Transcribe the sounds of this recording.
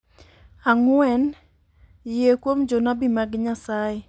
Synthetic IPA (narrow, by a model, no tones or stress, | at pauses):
aŋwɛn | jekwomd͡ʒonabimaɡɲasaje